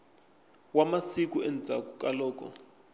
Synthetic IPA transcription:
wamasik̬uɛnd͡zʱa̰kukʼalɔːk̬ʼɔ̰

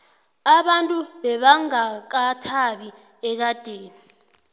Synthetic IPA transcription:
aɓantʼuɓɛɓaŋak̬atʰaɓi | ɛk̬ad̥ʱeːni

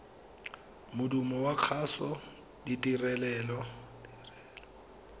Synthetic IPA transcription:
mʊdumɔwakʰasɔ | ditʼirɛlɛːlɔdrɛːlɔ

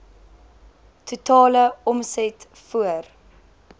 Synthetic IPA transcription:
tʰutʰɑːləɔmsɛt | fuər

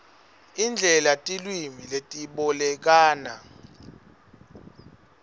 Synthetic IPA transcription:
ind͡ɮʱɛlatʼilwimiletʼiɓɔlɛk̬aːna

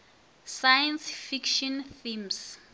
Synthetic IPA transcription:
sajɛnsfikʃɔ̃nθims

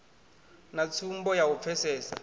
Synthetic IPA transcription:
nat͡sʰumbɔjawup̪fʰɛsɛːsa̰

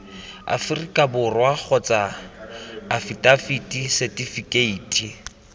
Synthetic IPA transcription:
a̰furikʼabʊrwak͡xʰɔt͡sʼaː | fitʼafitʼisɛtʼifikʼeiːtʰʼi

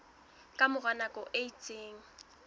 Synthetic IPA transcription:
kʼamʊɣanakʼɔʔeitʼeːŋ̩

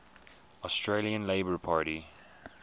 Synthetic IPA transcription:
ɔstɹeliə̃nleɪbəɹpʰaːɹɾi

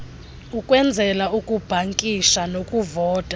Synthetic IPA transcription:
ukʼwɛnd͡zʱɛlaukʼub̥ʱaŋkʼiʃanokʼuvɔːd̥ʱa

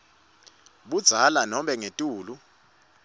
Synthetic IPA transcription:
ɓud̥z̥ʱalanɔmɓɛŋetʼuːlu

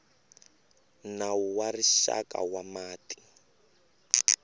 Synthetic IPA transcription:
nawuwariʃa̰ka̰wamaːti̥

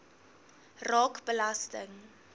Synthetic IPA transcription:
rɑːkbəlastəŋ

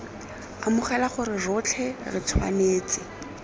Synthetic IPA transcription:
amʊχɛlaχʊrɪrʊt͡ɬʰɛrɪ̰t͡sʰwa̰neːt͡sɪ

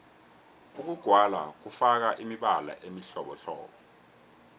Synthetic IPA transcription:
uk̬uɡ̥ʱwala̰k̬ufak̬aʔimiɓala̰ʔemiɬɔɓɔɬɔ̰ːɓɔ

